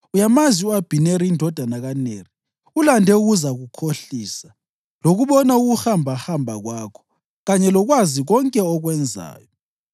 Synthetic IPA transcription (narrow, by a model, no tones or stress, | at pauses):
ujamaziuab̥ʱineɾiindʱɔd̥ʱanaɣaneri | ulandʱɛuɣuzaɣukʰoɬiːsa | loɣuβɔnauɣuhambʱahambʱa̰ɣwakʰɔ̥ | ɣaɲɛlɔɣwaziɣɔŋkʼɛɔɣwɛnd͡zʱa̰ːjɔ